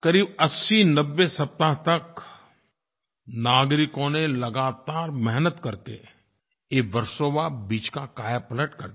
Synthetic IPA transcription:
kɐɾiːbɐsːinɐbːesɐp̚t̪aɦt̪ɐk | naːɡɾɪkõnelɐɡaːt̪aːɾmɛɦnət̪kɐɾkḛ | eːʋɐɾsoːʋabiːt͡ʃkakaːjapələʈkɐɾd̪

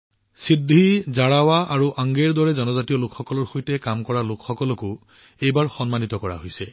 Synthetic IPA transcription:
sidʱizaɹawaʔaɹuʔaŋɡeɹdɔɹɛzɔnɔzatijɔlʊkxɔkɔlɔɹxojtɛkamkɔɹalʊkʰxɔkɔlɔkʊ | ejbaɹxɔnmanit̪ɔkɔɹa̰ɦojsɛ

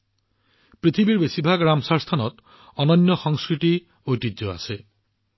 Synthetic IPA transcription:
pɾit̪ʰibiɾbesibʱaɡɾamsaɾst̪ʰanɔt̪ | ɔnɔnjɔxɔŋskɾit̪i | ojtid͡ʒɔa̰se

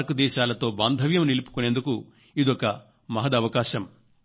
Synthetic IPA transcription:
ɾkud̪ɛːʃaːlɐt̪o̞ːbaːnd̪ʱɐʋjɐmnilupu̥kune̞ːnd̪uku | id̪ɔkɐ | mɐɦɐd̪ɐʋɐkaːʃɐm

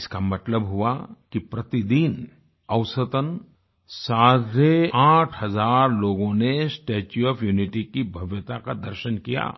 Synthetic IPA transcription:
ɪskamɐt̪ləbɦʊakipɾɐt̪id̪in | ɐwsət̪ən | saːd̪ɾeãːʈʰɦɐzaːɾloːɡõnesʈeːt͡ʃuɔfʰjuːnɪʈikibʱɐʋjət̪akad̪əɾʃənkija̰ː

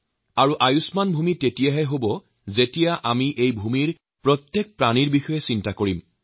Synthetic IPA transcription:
aɹuʔajusmanbʱumitetijaɦɛɦobɔ | zetijaʔamiʔejbʱumiɹ | pɹɔt̪jɛk̚pɹaniɹbixɔjɛsintakoɹim

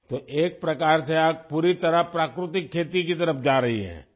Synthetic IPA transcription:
t̪oːʔeːk̚pɾɐkaːɾseaːk̚puːɾit̪ɐɾapɾaːkɾʊt̪ɪkʰːeːt̪ikit̪ɐɾəpd͡ʒaːɾɐɦḭɦɛ̰̃ː

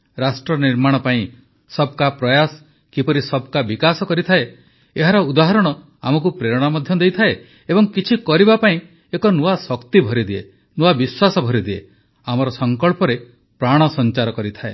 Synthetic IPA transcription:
ɾasʈɾɔniɾmaɽ̃ɔpaĩ | sɔb̚kapɾɔjas | kipɔɾisɔb̚kabikasɔkɔɾit̪ʰae | eɦaɾɔud̪aɦɔɾɔɽ̃ɔ | amɔk̬upɾeɾɔɽ̃amɔd̪ʱjɔd̪ejt̪ʰae | ebɔŋkit͡ʃʰikɔɾibapaĩ | ekɔnuasɔkt̪ibʱɔɾid̪ie | nuabiswasɔbʱɔɾid̪iḛ | amɔɾɔsɔŋkɔɭpɔɾe | pɾaɽ̃ɔsɔnt͡ʃaɾɔkɔɾit̪ʰaḛ

